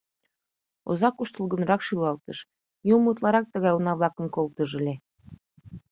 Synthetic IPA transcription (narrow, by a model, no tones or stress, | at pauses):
o̰zɑkuʃt̪əlɣə̆nɾɑkʃylɑlt̪əʃ | jumut̪lɑɾɑk̚t̪əɣɑjunɑβlɑkəmkolt̪əʒə̆lʲe